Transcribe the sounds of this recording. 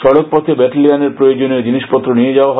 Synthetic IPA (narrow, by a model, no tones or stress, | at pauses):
ʃɔɽok̚pɔt̪ʰebɛʈlianeɾpɾojod͡ʑoned͡ʑiniʃpɔt̪ːɾonijed͡ʑaoaɦ